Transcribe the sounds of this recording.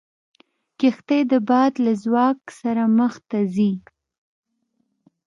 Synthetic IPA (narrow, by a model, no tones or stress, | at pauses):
kɪxt̪ejd̪əbɑd̪lazwɑksaɾaməxt̪azi